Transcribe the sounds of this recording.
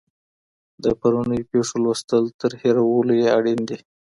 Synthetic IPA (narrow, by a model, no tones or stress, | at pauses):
d̪əpaɾunəjpeʂolwəst̪əlt̪əɾheɾawəlojeaɽind̪i